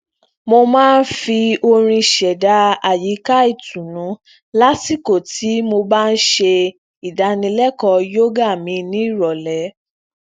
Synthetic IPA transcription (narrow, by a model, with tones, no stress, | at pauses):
mo˧mãː˦˧n̩˦fi˧o˧ɾ̃ĩ˧ʃɛ˨da˨˦a˨ji˨˦ka˦i˦˨tũ˨nũ˨˦ | la˦si˦˨ko˦˨tʰi˨˦mo˧ba˦n̩˦ʃe˧ | i˨da˨˧˦nĩ˧lɛ˦kɔ˧jo˦ɡa˦˨mĩ˧˦nĩ˨˦i˦˨ɾɔ˨lɛ˨˦